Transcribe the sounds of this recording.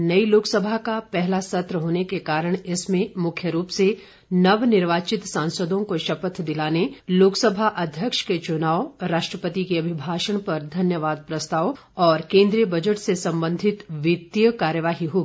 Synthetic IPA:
nɐiloːksəbʱakapɛɦlasɐt̪ɾəɦoːnekekaːɾəɽ̃ɪsmẽmʊkʰjəɾuːpse | nɐʋnɪɾʋaːt͡ʃɪt̪sãːnsəd̪õkoʃɐpət̪d̪ɪlaːneloːksəbʱaʔɐd̪ʱjəkʃket͡ʃʊnaːoɾaːʃʈɾəpət̪ikeɐbʱɪbʱaːʃəɽ̃pɐɾd̪ʱɐnjəʋaːd̪̚pɾɐst̪aːʋ | ɔːɾkẽːnd̪ɾijəbʱɐd͡ʒəʈsesɐ̃mbə̃nd̪ʱɪt̪ʋɪt̪jəkaːɾjəʋaːɦiɦoːɡ

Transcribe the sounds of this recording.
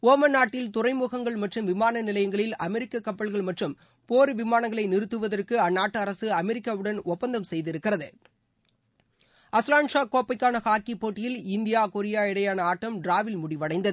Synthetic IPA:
oːmɐnːaːʈːɪlt̪ʊrɐɪmuːɣɐŋɡɐɭmɐʈrɯmʋɪmaːnɐnɪlɐjɐŋɡɐɭɪlɐmɛɾɪkːɐkːɐpːɐɭɣɐɭmɐʈrɯm | poːɾɯʋɪmaːnɐŋɡɐɭɐɪnɪɾɯt̪ːɯʋɐðɐrkɯɐnːaːʈːɯɐɾɐsɯɐmɛɾɪkːaːʋɯɽɐnʔɔpːɐnd̪ɐmsɛjðɪɾɯkːɪrɐðɯ | ɐslaːɳʂaːkoːpːɐɪkːaːnɐɣaːkipːoːʈːɪjɪlɪnd̪ɪjaːkɔɾɪjaːɪɽɐjaːnɐaːʈːɐmɖɾaːʋɪlmʊɽɪʋɐɽɐɪnd̪ɐð

